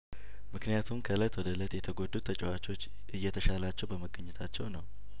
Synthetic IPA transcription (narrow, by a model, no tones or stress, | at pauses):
mɨknijat̪ʰumkʰələt̪wɔd̪ələt̪jɛt̪ʰəɡod̪ːut̪ʰːət͡ʃʼɛwat͡ʃo̞t͡ʃː | ɨjːɛt̪ʰəʃalat͡ʃːɛwbəməɡʼəɲːɛt̪ʰat͡ʃːɛwnəw